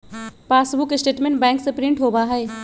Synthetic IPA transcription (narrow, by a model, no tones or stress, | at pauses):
paːsbʊkɪsʈeːʈmẽɳʈbɛ̃ːŋksepɾɪ̃ɳʈɦoːbaːɦɛeː